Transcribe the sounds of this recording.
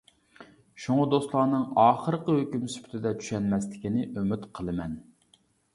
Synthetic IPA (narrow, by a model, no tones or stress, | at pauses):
ʃuŋɑd̪ost̪lˠɑːnɨŋɑːχəɾəqəhøkʲymsy̥pʰt̪ʰɪd̪ɛt̪ʰy̥ʃɛnmɛslɪ̥kʲinɪʔømyt̪qʰəlˠɨmɛn